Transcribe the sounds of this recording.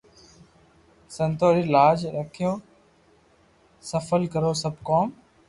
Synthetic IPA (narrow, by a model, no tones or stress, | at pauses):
sə̃nt̪oːɾiːlaːd͡ʒɾəkʰijõː | səfəlkəɾoːsəbʱkoːm